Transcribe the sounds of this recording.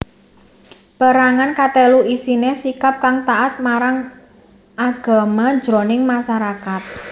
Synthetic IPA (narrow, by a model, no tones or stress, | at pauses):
b̥a̤ɾaŋankat̪eluʔisinesikap̚kaŋt̪aʔat̪̚maɾaŋ | ʔaɡ̥a̤mad̥d͡ʒ̥ɾonɪŋmaʃaɾakat̪̚